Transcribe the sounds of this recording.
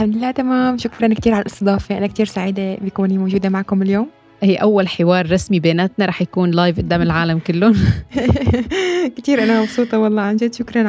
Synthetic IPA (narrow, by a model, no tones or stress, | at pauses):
ħamd̪ɪlːaːt̪amaːmʃʊkɾˤɑnkt̪iːɾʕalalʔɪ̥̰st̪ɨd̪ˤɑːfaʔanakt̪iːɾsaʕiːd̪abjakuːnimowʒuːd̪amaʕkʊmɪljoːm | hiːʔawːalħɪwɑːɾˤːɑsmibeːnaːt̪naɾˤɑːħjakuːnlaːjvʔɪd̪ːaːmɪlʕaːlamkɪlːʊ | kt̪iːɾʔanamɑbsˤuːt̪ˤɑwɑlˤːɑːʕand͡ʒɪd̪ʃʊkɾˤɑnʕ